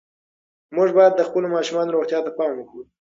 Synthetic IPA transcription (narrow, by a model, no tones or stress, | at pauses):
muʐbɑjad̪̚ːəxpəlomɑʃumɑnoɾoɣt̪jɑt̪apɑmwəkɽu